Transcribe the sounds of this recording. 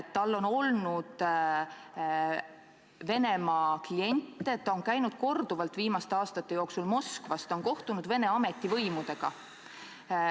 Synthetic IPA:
t̪ːɑlːo̞no̞lnud̪̥ | ve̞ne̞mɑklie̞nʲt̪ːˑeet̪ːɑonkæjnud̪̥̚ko̞rd̪̥uvɑlt̪viːmɑst̪eɑːst̪ɑt̪ːe̞jo̞ːksulmo̞skvɑst̪o̞nko̞ht̪unud̪ve̞ne̞ɑme̞t̪ˑːivɤjmud̪̥e̞ɡ̥ɑ

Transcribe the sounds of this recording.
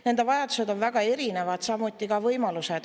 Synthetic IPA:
ne̞nd̪evɑjɑd̪̥use̞d̪o̞nvæɡɑe̞ɾine̞vɑd̪̥sɑmut̪ːˑikɑvɤjmɑlused̪̥

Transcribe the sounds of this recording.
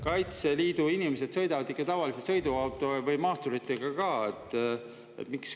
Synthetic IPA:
kɑjt̪se̞liːd̪̥uinimes̬e̞d̪̥sɤ̞jd̪ɑvɑd̪ikːˑet̪ɑvɑlisesɤjd̪uɑwt̪ːˑovɤjmɑːst̪uɾit̪ːˑeɡ̥ɑkɑːet̪ːˑ | ḛt̪miks

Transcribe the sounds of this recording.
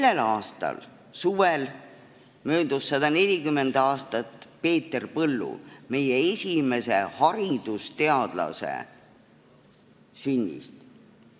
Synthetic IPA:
lːe̞lɑːst̪ɑ̰l | suvel | mø̞ːd̪̥usːɑd̪̥ɑne̞lʲikymːend̪̥ɑːst̪ɑt̪ːˑpe̞ːt̪ːerpɤlːṵme̞jeesʲime̞se̞hɑɾid̪̥ust̪e̞ɑd̪̥lɑ̰se̞̰ | synʲːḭst̪

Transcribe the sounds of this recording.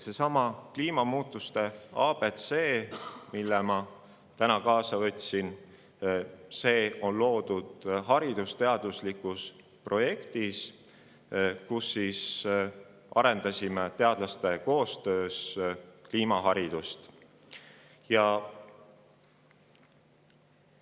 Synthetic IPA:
se̞sɑmɑkliːmɑmuːt̪ːˑust̪e̞ɑːbe̞t̪se̞ːmilːemɑ | t̪ænɑkɑːsɑvɤ̞t̪ʲːsin | se̞ːo̞nlo̞ːd̪ud̪̥ɦɑɾid̪̥ust̪e̞ɑd̪̥uslikˑus | pro̞je̞kt̪is | kusːis | ʔɑɾe̞nd̪ɑsʲimet̪e̞ɑd̪lɑst̪e̞ko̞ːst̪ø̞ːskliːmɑɦɑɾid̪̥ust̪ | jɑ

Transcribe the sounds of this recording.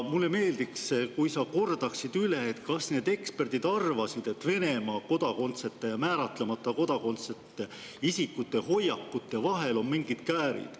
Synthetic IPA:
mulːeme̞ːld̪ikskujsɑko̞rd̪̥ɑksid̪̥yle̞et̪kɑsne̞ːd̪e̞kspe̞rd̪̥id̪ɑrvɑsid̪̥e̞t̪ːve̞ne̞mɑːko̞d̪̥ɑko̞nt̪se̞t̪ːˑe̞jɑmæːɾɑt̪lemɑt̪ːˑɑko̞d̪̥ɑko̞nt̪sett̪ːe | isikːut̪ːˑe̞ho̞jːɑkːut̪ːˑevɑɦe̞lo̞nmiŋɡ̥id̪̥kæːɾḭd̪̥

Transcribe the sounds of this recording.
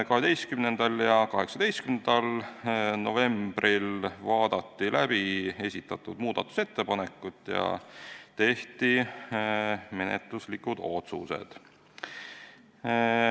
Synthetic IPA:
kɑɦe̞d̪e̞jst̪kymnend̪̥ɑljɑkɑɦe̞ksɑd̪̥e̞jst̪kymnnd̪ɑlno̞ve̞mb̥rilvɑːd̪̥ɑt̪ːilæb̥ie̞sʲit̪ːˑɑt̪ːˑud̪muːd̪̥ɑt̪ːˑu̥se̞t̪ːe̞pɑne̞kːˑut̪ːˑjɑ̰t̪e̞ht̪i | me̞nḛt̪luslikud̪̥o̞̰t̪suse̞̰d̪̥

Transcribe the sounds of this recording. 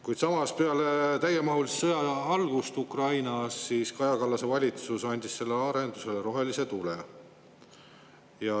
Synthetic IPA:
kujd̪sɑmɑspe̞ɑlet̪æjemɑɦulissɤjɑɑlɡ̥ust̪ukrɑjnɑsːiskɑjɑkɑlːɑse̞vɑlʲit̪susɑnʲd̪̥ʲisse̞lːeɑɾe̞nd̪̥use̞leɾo̞ɦe̞lise̞t̪ule | jɑ

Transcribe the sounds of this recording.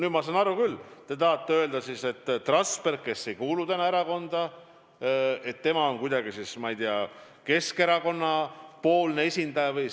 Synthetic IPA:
nyːd̪mɑsɑnɑɾukylːt̪e̞t̪ɑɑt̪ːeø̞ld̪ɑsiːse̞t̪ːt̪ːrɑnspe̞rkːe̞sːe̞jkuːlut̪enɑe̞ɾɑko̞nd̪̥ɑ | e̞t̪ːe̞mɑo̞nkujd̪ɑɡisismɑjd̪̥iɑ | ke̞ske̞ɾɑko̞nːɑpo̞ːlne̞e̞sʲind̪̥ɑjɑvɯj

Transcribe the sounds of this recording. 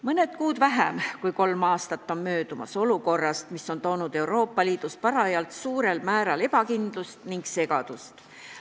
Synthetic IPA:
mɤne̞d̪̥kuːd̪̥væɦæmkujko̞lmɑːst̪ɑt̪ːo̞nmø̞ːd̪̥umɑ̰so̞luko̞rːɑst̪misːo̞nt̪o̞ːnud̪̥e̞uwɾo̞ːpːɑliːd̪̥uspɑɾɑjɑlt̪suːɾe̞lmæːɾɑle̞pɑkind̪̥lust̪niŋɡ̥se̞ɡ̥ɑd̪̥ust̪

